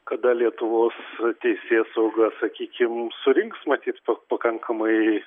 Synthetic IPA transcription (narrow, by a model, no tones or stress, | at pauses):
kɐd̪ɐlʲiɛt̪ʊʋoːst̪ʲɛɪsʲeːsɐʊɡɐsɐkʲiːkʲɪmsʊɾʲɪŋksmɐt̪ʲiːt̪pɐpɐkɐŋkʰɐmɐɪ